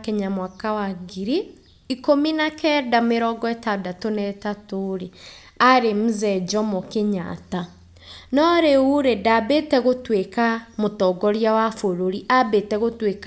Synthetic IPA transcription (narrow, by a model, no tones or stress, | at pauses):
kɛɲamwakawaɡiɾi | ikominakɛdameɾɔɡɔɛtadatonɛtatoɾe | aɾem̩zɛd͡ʒɔmokeɲa̰ta | nɔɾeuɾedabetɛɣotwekamotɔɡɔɾjawafoɾoɾiʔabetɛɣotwek